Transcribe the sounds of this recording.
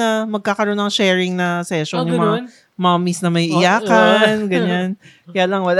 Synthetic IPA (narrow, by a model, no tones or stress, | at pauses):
ɐmɐɡ̚kaːkɐɾo̞nːɐŋʃɛːɹɪŋnɐsɛʃonjʊmɐŋa | mamisnɐmɐjʔɪjaːkɐnɡɐɲankɐjaːlɐŋwɐl